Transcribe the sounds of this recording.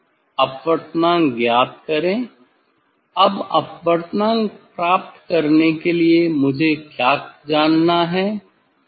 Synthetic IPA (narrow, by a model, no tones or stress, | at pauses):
ɐpʋəɾt̪nãːŋɡjaːd̪̚kɐɾẽː | ɐbɐ̰pʋəɾt̪nãːŋɡpɾaːp̚t̪kɐɾnekeliemʊd͡ʒʱekjaːkd͡ʒaːnːaɦɛː